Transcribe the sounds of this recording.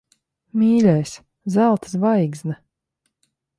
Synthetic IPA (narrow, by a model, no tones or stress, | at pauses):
mʲiːlʲɛjsʲ | zælˠt̪ɨ̥svajɡzna